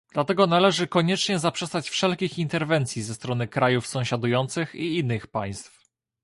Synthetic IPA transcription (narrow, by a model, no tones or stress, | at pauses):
d̪̥lat̪ɛɡɔnalɛʐɘkɔɲɛt͡ʂɲɛzapʂɛst̪at͡ɕfʂɛlkʲixint̪ɛɾvɛnt̪sʲjizɛst̪ɾɔnɘkɾajufsɔ̃w̃ɕad̪ujɔnt̪sɘxiinːɘxpaj̃st̪f